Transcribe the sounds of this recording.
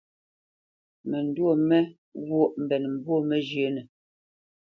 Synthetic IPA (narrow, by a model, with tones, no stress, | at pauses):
mɛ˨n˨dwo˦˨mɛ˦ | ɣo˦˨ʔm̩˨bɛ˨nm̩˨bwo˦mɛ˦d͡ʒjə˨˦nɛ˨